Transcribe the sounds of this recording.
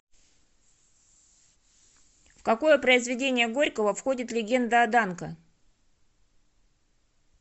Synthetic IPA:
fkɐko̞jəpɾəɪzvʲɪdʲenʲɪjəɡo̞ɾʲkəvəfxo̞dʲɪt̪lʲɪɡʲe̞nd̪əɐd̪ankə

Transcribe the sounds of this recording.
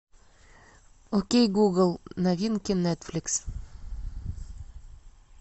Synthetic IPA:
okʲejɡuɡəlˠnavʲinkʲɪnːɛt̪flʲɪks

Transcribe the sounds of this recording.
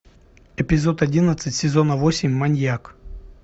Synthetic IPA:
ɛpʲɪzot̪ɐdʲinət̪sɨtʲsʲɪzonəvosʲɪmʲmɐnʲjak

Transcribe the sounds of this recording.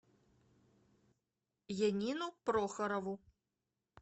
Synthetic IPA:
janʲinupɾɔxɐɾɐvu

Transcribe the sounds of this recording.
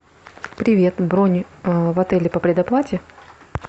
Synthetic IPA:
pɾʲɪvʲe̞t̪bɾonʲvɐt̪ɛlʲɪpəpɾʲɪd̪ɐplˠatʲɪ

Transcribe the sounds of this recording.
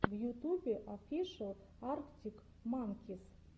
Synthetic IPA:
vjut̪ubʲeʔafʲiʂəlˠ | arktʲik | maŋkʲis

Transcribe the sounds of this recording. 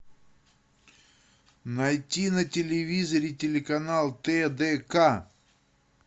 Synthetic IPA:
nɐjtʲinɐtʲɪlʲɪvʲizɐɾʲɪtʲɪlʲɪkɐnalˠt̪ɛd̪ɛka

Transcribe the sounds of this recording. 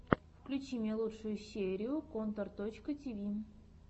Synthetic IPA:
fklʲut͡ɕimʲelˠutʂojʊɕʲeɾʲiʊkont̪ərt̪ot͡ɕkətʲivʲi

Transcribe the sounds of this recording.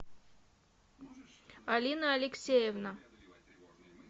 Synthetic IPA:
ɐlʲinəɐlʲɪksʲejevna

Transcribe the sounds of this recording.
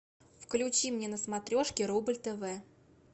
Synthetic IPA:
fklʲʊt͡ɕimnʲenəsmɐt̪ɾʲo̞ʂkʲɪɾubɨlʲt̪əvɛ

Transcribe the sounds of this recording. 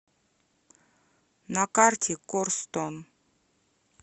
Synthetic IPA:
nakartʲʰekorst̪on

